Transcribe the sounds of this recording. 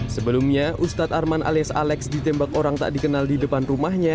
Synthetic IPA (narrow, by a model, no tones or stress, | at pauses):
səbəlumɲaʔust̪at̪̚armanʔa̰liasa̰lɛksdit̪ɛmbak̚oɾaŋt̪a̰ʔdikənaldidəpanrumahɲa